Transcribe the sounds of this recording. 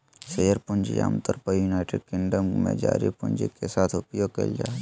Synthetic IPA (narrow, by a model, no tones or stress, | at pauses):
sejəɾpʊnd͡ʒḭjaːmt̪əɾpəjuːnaːɪʈeɖ̚kɪ̃ŋɖəmmḛ̃d͡ʒa̰ːɾipʊ̃nd͡ʒikesaːt̪ʰʊpjoːɡ̚kḛld͡ʒaː